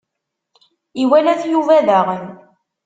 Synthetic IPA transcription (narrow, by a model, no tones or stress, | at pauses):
iwælæθjuvæðæʁən